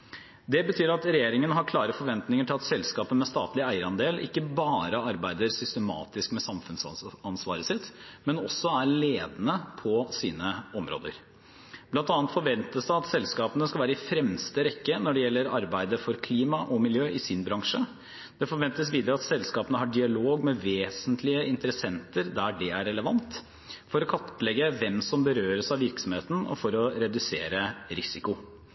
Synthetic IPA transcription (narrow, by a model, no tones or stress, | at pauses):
d̪ɛbət̪ʰyːɾɑt̪ɾɛjeːɾɪŋənəɦɑɾkʰlɑːɾəfɔɾʋɛnt̪nɪŋəʈʰɪlɑt̪sɛlskɑːpəmɛst̪ɑ̰ːt̪lɪæɪəɾɑnd̪eːlʔɪ̰kːəbɑːɾəɑɾbæɪd̪əɾsʏst̪əmɑ̰ːt̪ɪskmɛsɑmfʉnsɑnsʋɑ̰ːɾəsɪt̪ːmɛnɔsːɔæɭeːd̪ənəpʰɔsiːnəɔmɾo̰ːd̪ə̰ɾ | b̥lɑnt̪ɑːnət̪fɔɾʋɛnt̪əsd̪æɪɑt̪sɛlskɑːpənəskɑʋæːɾəɪfɾɛmst̪əɾɛkːənɔɖɛjɛlːəɾɑɾbæɪd̪əfɔɾkʰliːmɑʔɔmɪljøːʔɪsɪnbɾɑŋʂə | d̪̥ɛfɔɾʋɛnt̪əsʋiːd̪əɾəɑt̪sɛlskɑːpənəhɑɖɪɑloːɡmɛʋeːsənt̪ʰlɪəʔɪnt̪əɾəsɛnt̪əɾd̪æɖɛæɾɛləʋɑnt̪ | fɔɾɔkʰɑt̪pəlɛɡːəʋɛmsɔmbəɾøːɾəsɑʋɪɾksɔmheːt̪n̩ɔ̰fɔɾɔɾɛd̪ʉseːɾəɾɪsɪkʊ